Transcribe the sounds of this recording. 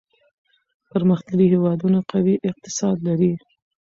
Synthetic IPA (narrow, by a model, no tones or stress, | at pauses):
pəɾməxt̪aɽihewɑd̪unaqawiʔɪq̚t̪ɪ̥sɑd̪laɾi